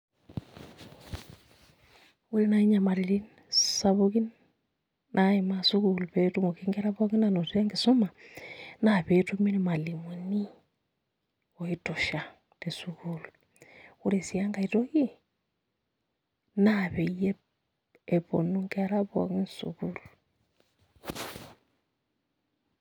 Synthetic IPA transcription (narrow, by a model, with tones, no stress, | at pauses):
u˦ɾe˦na˦i˦ɲa˨ma˨ɾi˨li˦n | saβuki˦nː | ae˨ma˦su˦ku˨lupetu˦mo˨ki˦ŋɡe˦ɾa˦βa˦ki˦na˨no˨ta˦ŋɡi˨so˦ma˨naβetumi˦ne˨ma˨li˨mu˨ni˦ | o˨i˦to˨ʃa˨ | te˨sukulu | u˦ɾe˨si˨a˦ŋɡa˨ito˦ki˦ | naβe˨ije˦ | e˨βo̰˨nu˦ŋɡe˦ɾa˦βwa̰˨ki˦nsṵkulu